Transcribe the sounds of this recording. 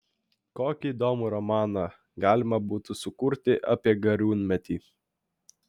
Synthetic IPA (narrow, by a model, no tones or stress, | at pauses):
koːkʲiːd̪oːmuɾɔmɑːnɑ | ɡɑːlʲɪmɐbuːt̪ʊsʊkʊɾʲt̪ʲɪʔɑ̰ːpʲiɛɡɐɾʲuːnʲmʲɛt̪ʲiː